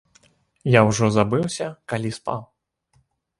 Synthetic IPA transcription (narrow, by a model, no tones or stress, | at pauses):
jawʐɔzabɨwsʲɐkalʲispa̰w